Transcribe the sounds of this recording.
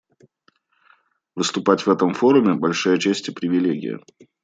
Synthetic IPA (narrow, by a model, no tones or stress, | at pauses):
vɨst̪ʊpatʲvɛt̪əmfo̞ɾʊmʲɪbɐlʲʂɨjət͡ɕesʲtʲɪpɾʲɪvʲɪlʲeɡʲɪ̰jə̰